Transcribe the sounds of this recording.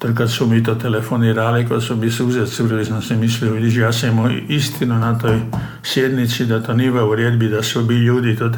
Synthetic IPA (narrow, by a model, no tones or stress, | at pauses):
t̪oɾkad̪smomiːt̪ot̪elefoniːɾalikod̪somisuzet̪supɾoʋisamsemisliobidiʒijaːsemoist̪ʰinunat̪oj | sjed̪nit̪sid̪at̪oniʋauɾjed̪bid̪asobiʎuːd̪it̪o